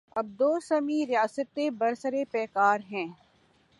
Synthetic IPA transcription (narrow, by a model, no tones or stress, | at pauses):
ɐb̚d̪oːsɐmiɾɪjaːsət̪ːebɐɾsəɾepɛːkaːɾɦɛ̃ː